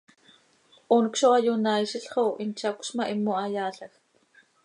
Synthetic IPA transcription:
ʔonkʃoajunajʃiɬχowʔint͡ʃakʷʃmaʔimːoajaːɬɐx

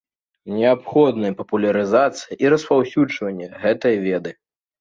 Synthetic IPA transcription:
nʲɛapxɔd̪nɐjpɐpulʲɐɾɨzat̪sɨjiʔiɾɐspawsʲud͡ʐvɐnʲːɛɣɛt̪ɐjvʲɛd̪ɨ

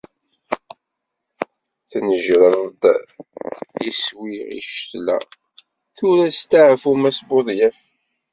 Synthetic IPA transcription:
θnəʒɾəɾd̪ | iswiʁḭʃə̥tlæ̰ | θuɾæst̪aʕfumæsboðˤjæf

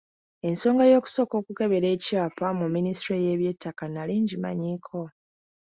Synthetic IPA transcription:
e̞nso̞ːŋɡajo̞ːku̥so̞ko̞ːkuke̞βe̞ɾe̞ːcaːpamumːinistɾeje̞βje̞tːakanaliːɲɟima̰ɲiːkʰo̞

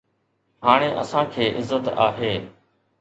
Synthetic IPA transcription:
ɦaːɽ̃eːʔə̰sãːkʰeːʔɪzːət̪a̰ːɦeː

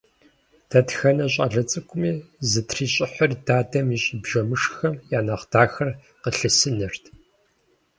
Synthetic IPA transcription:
tʰɐtxɐnɐɕʼɐ̰ɮɐt͡sʼɨkʷʰʊmiːzɨtʰriːɕʼɪħʷʊrdaːdɐmiɕʼɪbʒɐmɨʂxɐmjaːnɐχdaːxɐr | qəɬɨsɨnɨrtʰ

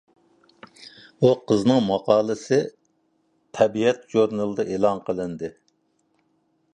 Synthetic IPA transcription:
uqʰəznɨŋmɑqɑːlˠɨsɨ | t̪ʰɛbiɛt̪ʒuɾnɨlˠd̪ɨʔeːlˠɑnqʰəlˠɨnd̪ɨ

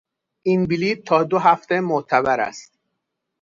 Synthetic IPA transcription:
ʔinbiliːt̪̚t̪ʰːɒːd̪oɦæft̪e̞moʔt̪ʰæbæɾæ̰st̪̚

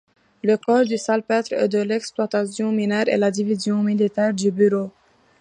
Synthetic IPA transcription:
ləkɔʁd̪ysalpɛt̪χɛ̰d̪əlɛksplwat̪asjɔ̃minɛʁḛlad̪ivizjɔ̃milit̪ɛʁd̪ybyʁo

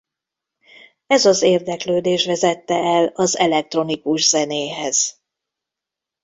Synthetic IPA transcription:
ɛzɒzeːrd̪ɛkløːd̪eːʃʋɛzɛt̪ːɛɛlɒzɛlɛk̚t̪ro̞nikuʒzɛneːɦɛz̥

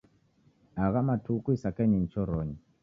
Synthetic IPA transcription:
aɣamatʰukuisakɛɲin̩t͡ʃɔɾɔːɲi

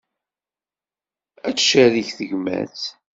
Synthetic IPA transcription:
æt͡sːʃæɾiçθəʝmæ̰θ

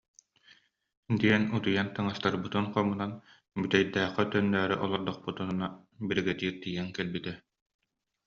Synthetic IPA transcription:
d̪iɛnut̪ujant̪ɯŋast̪aɾbɯt̪ɯnqɔmunan | byt̪ɛjd̪æːqɛt̪œnːœːɾyʔɔlˠɔɾd̪ɔχ̚put̪unnabiɾɡɛt̪iːɾt̪ijɛŋkɛlbit̪ɛ

